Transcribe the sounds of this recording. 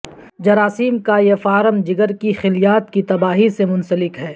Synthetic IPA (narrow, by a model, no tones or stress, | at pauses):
d͡ʒɐɾaːsiːmkajefaːɾəmd͡ʒɪɡəɾkixɪlijaːt̪kit̪ɐbaːɦisemʊ̃nsəlɪkɦɛː